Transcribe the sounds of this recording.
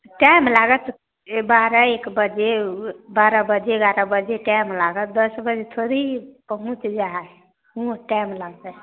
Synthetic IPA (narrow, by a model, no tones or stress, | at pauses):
ʈajmlaɡət̪ | baɾəekbəd͡ʒebaɾəbəd͡ʒeɡaɾəbəd͡ʒeʈajmlaɡəd̪əsbəd͡ʒet̪ʰoɾiipəɦũt͡ʃd͡ʒaɦa | ũʈajmlaɡt̪e